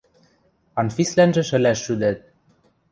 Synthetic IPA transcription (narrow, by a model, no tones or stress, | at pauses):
ɑnfislænʒɘ̆ʃə̆læʃːyd̪æt̪̚